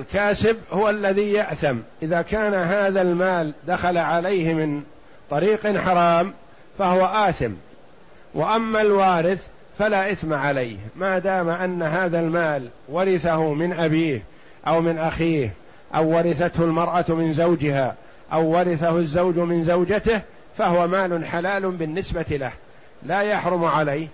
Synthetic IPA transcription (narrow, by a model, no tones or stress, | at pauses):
ʔalkaːsɪbhʊwalːaðiːjaʔθamʔɪðaːkaːnaɦaːðalmaːld̪axalaʕalajhɪmɪn | t̪ˤɑɾiːqɪnħɑɾˤɑːm | fahʊwaʔaːθɪm | wʔaʔamːalwaːɾɪθ | falaːʔaθmaʕalajhmaːd̪aːmaʔanːaɦaːðalmaːl | wɑɾɪθahʊmɪnʔabiːh | ʔawmɪnʔaxiːh | ʔawːɑɾˤɪθat̪hʊlmɑɾˤʔamɪnzawd͡ʒɪhaː | ʔawːɑɾɪθahʊzːawd͡ʒmɪnzawd͡ʒat̪ɪh | fahʊwamaːlʊnħalaːlʊbɪnːɪsbat̪ilah | laːjaħɾˤʊmʕalajh